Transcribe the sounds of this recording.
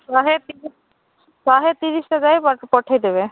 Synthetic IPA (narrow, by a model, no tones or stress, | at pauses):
aɦet̪i | saɦet̪iɾisʈazajppɔʈʰajd̪eβe